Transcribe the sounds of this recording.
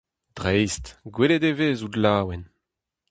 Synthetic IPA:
d̪̥ʁɛjstɡweled̪eveːzud̪laːwɛn

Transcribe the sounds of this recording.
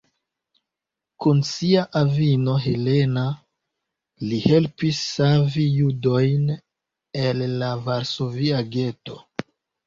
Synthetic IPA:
kunsiaʔavino̞ɦe̞le̞na | lihe̞lpisːavijudo̞jn | elːavaɾso̞viaɡe̞to̞

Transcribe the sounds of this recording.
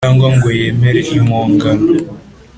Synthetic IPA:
aŋɡwaŋɡwejemeɾeʔimoːŋɡan

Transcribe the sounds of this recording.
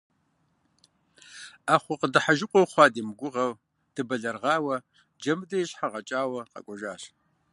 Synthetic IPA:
aːχʷʊqədɨħaʒɪqʷʼɔwχʷɑːdiːmɡʷʊʁɐw | d̥ɨbɐɮɐrʁɑːwɐ | d͡ʒɐmdɐjɪɕħaʁɐt͡ʃʼaːwɐqɐ̰kʷʼɔʒaːɕ

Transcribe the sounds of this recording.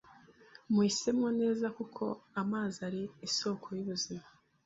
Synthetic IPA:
mwisemŋone̞ːzakukʰo̞̰amaːziaɾiːso̞ːkʰo̞juβuzima

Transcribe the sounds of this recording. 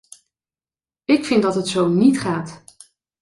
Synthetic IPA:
ɪkfɪndɑtɦətsownitχaːt

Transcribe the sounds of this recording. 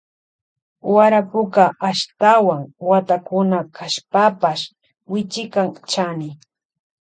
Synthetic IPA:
waɾapʊkaʔaʃt̪awaŋwat̪akʊnakʰaʃpapaʃ | wɪt͡ʃɪkaŋt͡ʃanɪ

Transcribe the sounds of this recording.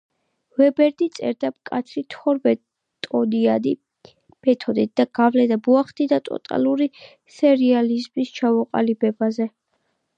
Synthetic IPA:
vɛbɛɾd̪it̪sʼɛ̰ɾd̪abkʼat̪sʰɾit̪ʰɔɾbɛ | t̪ʼɔd̪iad̪i | b̥ɛt̪ʰɔd̪ɛt̪̚d̪aɡ̥avlɛd̪abuaχd̪id̪at̪ʼɔ̰t̪ʼa̰luɾi | sɛɾializmist͡ʃʰavɔqʼa̰libɛbazɛ

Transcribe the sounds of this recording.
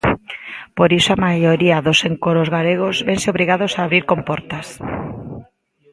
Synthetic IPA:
poɾisoamajoɾiaðoseŋkoɾozɣaleɣozbeŋsɪoβɾiɣaðosaːβɾiɾkompɔɾt̪as

